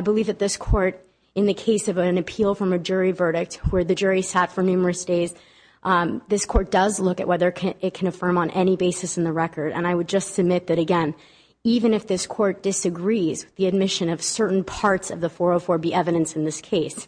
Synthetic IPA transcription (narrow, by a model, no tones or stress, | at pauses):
aɪbəlivðɨt̪̚ðɪskʰɔɹɾ | ɨ̃nðɨkʰeɪsʌvɨ̃nɨpʰilˠfɹʌ̃mɨd͡ʒʊɹivɜ˞ɾɨk̚t̚wə˞ðɨd͡ʒʊɹisætfə˞nʉmə˞ɨsd̥eɪz | ðɪskʰɔɹt̚d̥ʌzlʊkɨ̰ʔwʔɛðə˞kʰɪt̚kʰɨ̃nɨfɜ̃˞mə̃nʔɛñibeɪsɨsn̩ðɨɹɛkə˞ɾɨ̰̃naɪwɨd̚d͡ʒʌstsɨb̚mɪt̪̚ðɨɾɨɡɛ̃n | ivɨ̃nɨfðɪskʰɔɹt̚d̥ɨsɨɡɹizwɨðiɨd̚mɪʃɨ̃nʌv̥sɜ˞ʔn̩pʰɑɹtsʌvðəfɔɹəfɔɹbiʔɛvɨɾɨ̃nsn̩ðɪskʰeɪs